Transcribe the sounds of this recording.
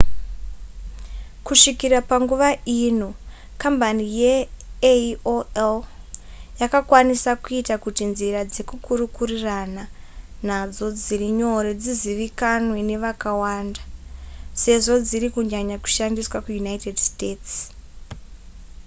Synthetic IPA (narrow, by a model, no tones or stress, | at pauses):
kuʂikirapaŋɡuʋaʔino | kambanije | oel | jakakwanisakuitakutinziɾad͡ze̞kukuɾukurirana | n̤ad͡zo̞d͡ziriɲo̞ɾed͡ziziʋikanwene̞ʋakawandase̞ʐo̞d͡ziɾikuɲaɲaku̥ʃandiswakujunaitedsteːts